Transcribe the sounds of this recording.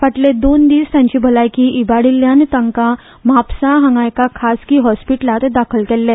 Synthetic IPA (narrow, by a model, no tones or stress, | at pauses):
faʈled̪ond̪iːst̪jãɲt͡ɕiːbʱəlajkiːʔibaɽiljant̪əŋka | mapsaɦə̃ŋɡajkakʰaskiːɦɔspiʈlat̪d̪akʰəlkɛlːe